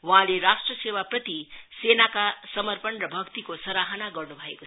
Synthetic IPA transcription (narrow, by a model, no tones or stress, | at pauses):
waɦãleɾasʈrʌsewaprʌt̪isenakasʌmʌrpʌnrʌbʱʌkt̪ikosʌɾaɦʌnaɡʌrnubʱʌeko